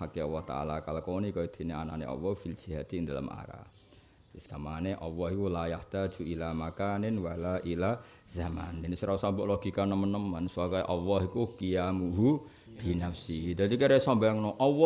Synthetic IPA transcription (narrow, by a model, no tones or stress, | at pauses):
akeɔwɔht̪a̰ʔa̰lakalkɔnikajd̪̥e̤neana̰nḛʔɔ̰wɔfilsiɦat̪ind̪ala̰ma̰ɾa̰ | iskamaneʔɔwɔɦikulajaht̪ḁʒ̥ṳilamakanɪnwalaʔila | z̥ama̰nɪnsɾausambʊʔlɔɡ̥i̤kanəmənːəmənsubakɔjʔɔwɔɦikukijamuɦu | b̥i̤nafsid̪ad̪ikeɾesɔmbaaŋnɔʔɔwɔ